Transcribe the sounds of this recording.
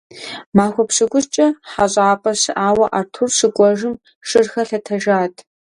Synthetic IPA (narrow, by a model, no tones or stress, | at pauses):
maːxʷɔpɕɨɡʷʊst͡ʃʼɐħaɕʼaːpʼɐɕɨʔaːwɐʔaːrtʰurʂɨkʷʼɔʒɨm | ʂɨrxɐɬɐtʰɐʒaːtʰ